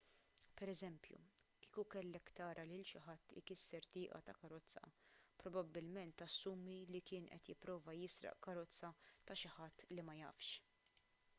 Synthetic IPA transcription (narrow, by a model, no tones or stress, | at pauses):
pɛɾɛzɛmpjṵkiːkukɛlːɛkːt̪ɐːɾʔɐlɪlʃɪħɐt̪ːɪ̰kɪsːɛɾt̪ɪːʔɐ̰t̪ɐkɐɾɔt͡sːɐ̰pɾɔbɐbːɪlmɛnt̪ɐsːuːmilikɪːnʔɛ̰t̪jɪpːɾɔːvɐjɪsɾɐ̰ʔkɐɾɔt͡sːɐt̪ɐʃɪħɐt̪ːlimɐjɐ̰ːfʃ